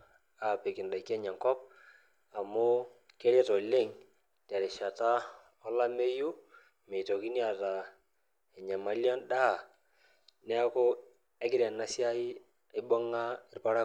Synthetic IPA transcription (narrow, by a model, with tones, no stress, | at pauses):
a˨pe˨kɪ˨nda˨i˨kːɛ˦ɲa˨ŋkɔ˦p̚ | a˨mʊ˦ | ke˦ɾɛ˦tɔ˨le˦˨ŋ | ta˨ɾɪ˨ʃa˨ta˦ | ɔ˦la˦me˦ju˦ | me˨i˨to˨ki˦ni˦a˦˨ta˨ | ɛ˨ɲa˨ma˨˦ljɔ˦nɗa˦˨ | nɛ˦a˦kʊ˦ | ɛ˦kɪ˦ɾja˨na˦sja˦i˦ | ɪ˦bɔ˦ŋa˦ɪ˦rpa˦ɾa˦